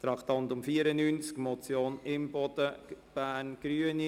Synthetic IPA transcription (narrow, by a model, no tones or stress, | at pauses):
t̪ɾɑkt̪ɑnt̪ʊmfiəɾənyːnt͡skmɔt͡sjoːnɪmbɔd̪̥əb̥æːɾnɡ̥ɾyːəni